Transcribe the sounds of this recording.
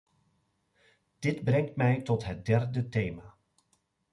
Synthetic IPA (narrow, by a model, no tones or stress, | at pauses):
d̥ɪdbrɛŋtmɛjtɔtɦət̚dɛrdətejmaː